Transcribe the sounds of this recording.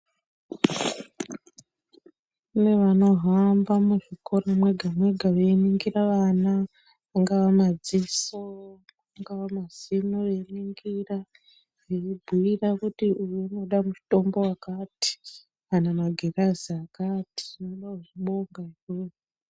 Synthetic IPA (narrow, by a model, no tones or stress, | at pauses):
une̞ʋano̞ɦambamuʐiko̞ɾamwe̞ɡʱamwe̞ɡʱaʋeniŋɡiraʋanaː | ŋɡawamad͡ziso | aŋɡaʋamaz̥inoʋeniŋɡira | eibʱuirakutiujeino̞ɗamut͡ʃi̥to̞mbo̞wakaːti̥ | anamaɡʱeraziakati̥ʐino̞ɗakuʐiɓo̞ŋɡaikeo